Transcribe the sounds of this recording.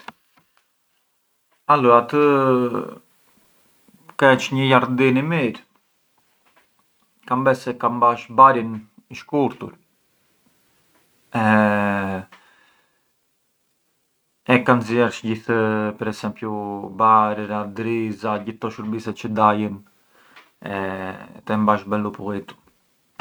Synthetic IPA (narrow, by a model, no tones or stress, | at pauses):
alɔat̪ə | kɛt͡ʃɲəjaɾd̪inimiɾ | kambɛsɛkambaʃbaɾin | iʃkuɾt̪ṵɾ | ɛ | ɛkanzjɛɾt͡ʃɟiθpɛɾɛsɛmpjubaɾɛɾad̪ɾizaɟiθt̪ɔʃuɾbisɛt͡ʃəd̪ajən | ɛ̰t̪ɛmbaʃbɛlupuʁit̪u̥